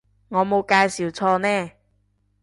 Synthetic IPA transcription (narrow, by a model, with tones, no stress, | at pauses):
ŋɔː˨˧mo˨˧wkaː˧jsi˨˩wt͡sʰɔː˧nɛː˥˩